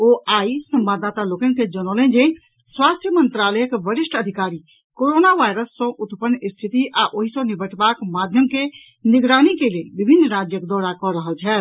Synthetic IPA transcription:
oaːisəmbad̪at̪aloːkenked͡ʒənolẽd͡ʒe | swaːst̪ʰjəmənt̪ɾaːləjəkbəɾɪʃʈəd̪ʱikaːɾi | koɾoːnaʋajɾəsːɔ̃ʔʊt̪pənːist̪ʰit̪iʔaʔoɦisɔ̃nibʱəʈbakmad̪ʱjəmke | nɪɡɾaːnikelelbibʱinːɾad͡ʒjəkd̪ɔɾakɔɾəɦəlt͡ʃʰɛːt̪

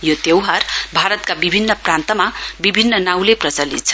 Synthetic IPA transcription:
jot̪ewɦarbʱaɾʌt̪kabibʱinːʌprant̪ʌmabibʱinːʌnaw̃leprʌt͡sʌlḭt̪̚t͡sʰʌ

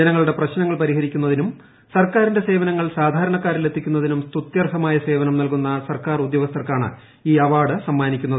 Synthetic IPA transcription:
ɐnɐŋːɐɭuɽe̞prɐɕnɐŋːɐɭpɐɾiɦɐɾikʲːunːɐðinum | sɐrkaːɾinde̞se̞ːʋɐnɐŋːɐɭsaːd̪ʱaːɾɐɳɐkːaːɾlet̪ʰːikʲːunːɐðinumst̪ut̪jɐrɦɐmaːjɐse̞ːʋɐnɐmnɐlkunːɐsɐrkaːrud̪jɐʋɐst̪ɐrkaːɳɨ̰ | iːɐʋaːɽɨsɐmːaːnikʲːunːɐð

